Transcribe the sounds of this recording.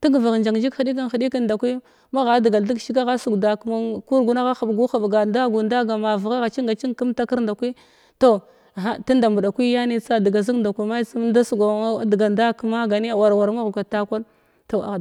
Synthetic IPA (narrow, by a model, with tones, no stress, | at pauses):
ti˦ɡva˨ɣnd͡ʒa˨ŋd͡ʒi˦kxi˨ɗi˦k̬i˦nxi˨ɗi˦ki˦nda˨kʷi˦ | ma˦ɣa˨˦di˨ɡa˨ldi˦ɡʃi˦ɡa˦ɣa˦su˨ɡda˨kma˦ku˦ɾɡu˨na˦ɣa˦xa˨bɡu˦xa˨bɡa˨nda˦ɡu˨nda˦ɡa˨ma˨va˨ɣa˦ɣa˨t͡ʃi˦ŋɡa˨t͡ʃi˦ŋ˦ki˦mta˦ki˦ɾnda˨kʷi˦ | to˦˨ | a˦ta˦nda˨mbu˨ɗa˨kʷi˦ja˦ni˦t͡sa˦da˨ɡa˨zi˦ŋ˦nda˨kʷi˨ma˦t͡si˦m˦da˦su˨ɡa˨˦dɡa˨nda˦kma˦ɡa˨ni˦a˨wa˨ɾwa˨ɾma˦ɣu˨ka˨ta˦kʷa˦l | to˨a˨